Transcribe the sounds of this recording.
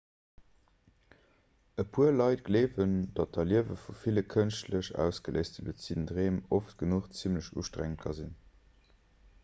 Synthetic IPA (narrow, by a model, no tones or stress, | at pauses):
əpʰuəɐlɑɪt̚ɡ̥leːvənd̥ɑt̚d̥ɐliəvəfufiləkʰənʃtləʃæ̰ʊsɡ̥əlḛɪstdəbə̰t͡sindʁeːmoftɡ̥ənuχt͡simləʃṵːʃtʁæ̰ŋət̚kʰɑzin